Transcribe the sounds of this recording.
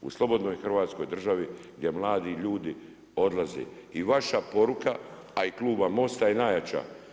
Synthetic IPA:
ṵslˠo̞bo̞d̪no̞jxrʋaːt̪sko̞jd̪r̩ʒaʋiɡd̪je̞mlˠaːd̪iʎuːd̪i | o̞d̪lˠazḛ | iʋaʃapo̞ɾukaː | ikluːbamo̞st̪aenajat͡ʃa̰

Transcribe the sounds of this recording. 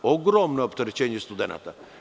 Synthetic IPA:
ɔɡɾɔmnɔɔpt̪əɾt͡ʃɛnijɛst̪ud̪ɛna̰t̪a

